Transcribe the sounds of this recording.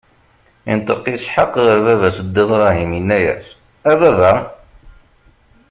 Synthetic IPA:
ḭnt̪ˤəqisħəqʁəɾvævæsd̪ːifɾˤɑɦiminːæjæ̰s | ævævæ

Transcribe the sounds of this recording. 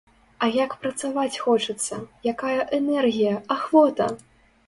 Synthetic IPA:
ɐjakpɾɐt̪savat͡sʲxɔt͡ʂɨt̪sːɐjakajɐʔɛnɛrɣʲijɐaxvɔt̪ɐ

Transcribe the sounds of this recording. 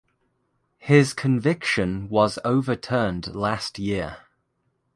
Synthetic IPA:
hɪz̥kʰə̃ɱvɪkʃə̃nwɒzəʊvətʰɜːndlastʰjɪə

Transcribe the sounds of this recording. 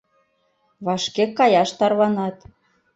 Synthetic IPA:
βɑʃkekːɑjɑʃt̪ɑrβɑnɑt̪

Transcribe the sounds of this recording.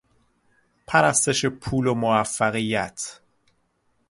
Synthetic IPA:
pʰæɾæst̪e̞ʃepʰuːlomoæfːæɣijæ̰t̪ʰ

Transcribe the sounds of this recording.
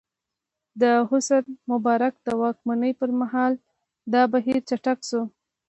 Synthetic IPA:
d̪əɦʊsəɾmʊbɑɾak̚d̪əwɑkmanəjpəɾmaɦɑl | d̪ɑbaɦiɾt͡ʃaʈakʃu

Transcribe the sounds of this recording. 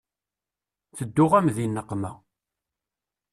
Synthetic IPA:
θəd̪ːʊʁæmðinːəqːmæ

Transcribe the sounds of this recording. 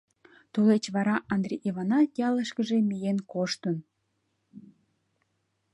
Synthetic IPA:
t̪ulet͡ɕβɑɾɑʔɑnd̪reʔiβɑnɑjɑləʃkəʒemijenkoʃt̪ən

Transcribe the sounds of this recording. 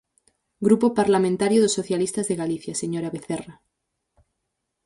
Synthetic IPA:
ɡɾupopaɾlamẽnt̪aɾjoðosːoθjalist̪azðeɣaliθjaseɲoɾaβeθera

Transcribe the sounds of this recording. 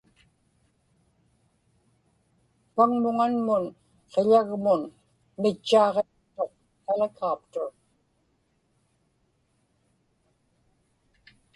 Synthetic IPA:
paŋmʊŋanmʊn | qeʎaɣmʊn | mɪt͡ʃːɑːʁe | t̪oq̚ | t̪alakʰaːpt̪o

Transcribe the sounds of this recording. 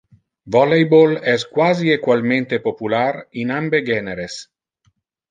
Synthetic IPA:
vɔlejbolɛskwaːziekwalment̪epopularinambeɡɛneɾes

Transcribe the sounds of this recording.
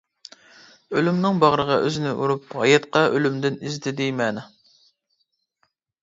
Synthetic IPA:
ølymnɨŋbɑʁɾəʁɑʔøzɪnɪʔṵɾup̚hɑ̰jɛt̪qɑʔølymd̪ɪnizd̪ɪd̪ɪmɛnɪ

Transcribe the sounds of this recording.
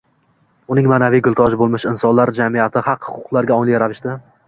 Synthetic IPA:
ʊnɪŋmaːnavɪɡʲʊlˠt̪ʰɒʒbolˠmɪʃɪnsɒnlaɾd͡ʒamijat̪ʰɪhɑqhʊ̥qʰʊqlˠaɾɡʲaɒŋlɪkɾavɪʃt̪ɪ

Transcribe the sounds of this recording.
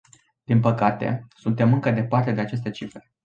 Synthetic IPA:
d̪̥inpəkat̪e̞̰sunt̪e̞mɨŋkəd̪e̞part̪e̞d̪e̞at͡ʃe̞s̬t̪e̞t͡ʃifɾe

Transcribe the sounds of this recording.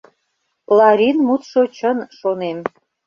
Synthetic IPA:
lɑɾinmut̪ʃot͡ɕənʃonem

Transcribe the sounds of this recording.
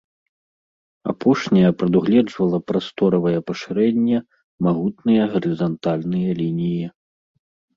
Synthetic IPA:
a̰pʰɔʂnʲɐjɐpɾɐd̪uɣlʲɛd͡ʐvɐlˠɐpɾast̪ɔɾɐvɐjɐpɐʂɨɾɛnʲːɛ | maɣut̪nɨjɐɣɐɾɨzɐnt̪alʲnɨjɐlʲinʲiji

